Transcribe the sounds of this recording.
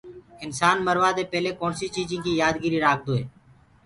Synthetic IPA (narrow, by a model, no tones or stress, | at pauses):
ɪnsaːnməɾʋaːd̪eːpɛːleːkoːnsiːt͡ʃiːzĩːkiːjaːd̪ɡiːɾiːɾaːk̚ʰd̪oːḛː